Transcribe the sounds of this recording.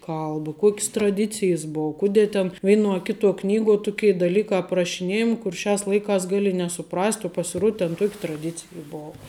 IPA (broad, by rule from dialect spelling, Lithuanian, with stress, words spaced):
ˈkɐlˠbɐ ˈkuɔkʲs trɐˈdʲɪt͡sʲɪjɛs ˈboːʊ ˈkʊdʲeː tʲɛn ˈʋʲɛɪnuɔ ɐ ˈkʲɪtuɔ ˈknʲiːɡuɔ ˈtʊkʲeː dɐˈlʲiːkɑː ɐprɐʃʲɪˈnʲeːjɛmʲɪ kʊr ˈʃʲæːs ˈlˠɐɪkɑːs ˈɡɑːlʲɪ nʲɛsʊˈprɐsʲtʲ oː pɐsʲɪˈruɔt tʲɛn ˈtuɔkʲɪ trɐˈdʲɪt͡sʲɪjɛ ˈboːʋɐ